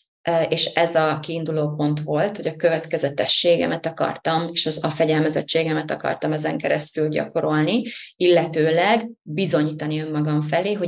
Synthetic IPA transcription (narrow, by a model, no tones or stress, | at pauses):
eːʃɛzɒkiːnd̪uloːpo̞nt̪ʋo̞lt̪ho̞ɟɒkø̞vɛt̪kɛzɛt̪ɛʃːeːɡɛ̰mɛt̪ɒkɒ̰rt̪ɒmeːʃɒzɒfɛɟɛlmɛzɛ̰t͡ʃːeːɡɛmɛt̪ɒkɒ̰rt̪ɒmɛzɛ̰ŋkɛɾɛst̪ylɟɒ̰ko̞ɾo̞lniilːɛt̪øːlɛɡbizo̞ɲiːt̪ɒniø̞mːɒɡɒɱfɛleːɦo̞